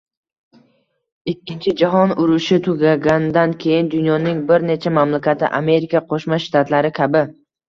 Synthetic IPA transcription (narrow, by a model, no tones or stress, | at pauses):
ikʲʰːɪnt͡ʃʰɪd͡ʒaɦɒnʊɾʊʃɪt̪ʰʊɡʲaɡʲanɪd̪ankʲʰe̞jɪnd̪ʊnjɒnɪŋbɪɾne̞t͡ʃʰamamlakʲat̪ʰɪ̰ʔa̰me̞ɾikʲʰaqʰoʃmaʃt̪ʰat̪laɾɪkʲʰabɪ